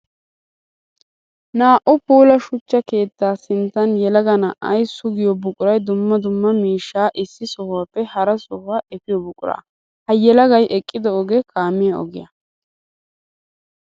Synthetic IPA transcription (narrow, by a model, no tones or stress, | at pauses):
naːʔʊpuːlɐʃʊt͡ʃːɐke̞ːt̪ːaːsɪnt̪ːɐnjɛlɐɡɐnɐʔɐjsʊɡɪjɔbʊkʼʊɾɐjd̪ʊmːɐd̪ʊmːɐmiːʃːaːʔɪsːɪsɔhaːpːɛhɐɾɐsɔhaːʔɛfɪjɔbʊkʼʊɾa̰ː | hɐjɛlɐɡɐjʔɛkʼːɪd̪ɔɔɡɛkʰaːmːɪjɐɔ̰ɡɪjɐ̰